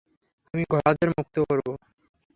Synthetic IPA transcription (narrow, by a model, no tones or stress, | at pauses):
amiɡʱɔɽad̪eɾmuk̚t̪okoɾbo